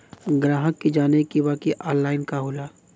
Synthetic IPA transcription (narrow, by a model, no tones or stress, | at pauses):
ɡɾaːɦəkːed͡ʒaːnekiʋaːkiʔɔːlːaːɪnkaɦoːlaː